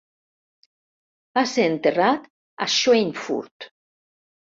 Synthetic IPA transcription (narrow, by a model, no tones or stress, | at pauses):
b̥aseɾent̪erat̪ | a̰ʃoenfṵɾt̪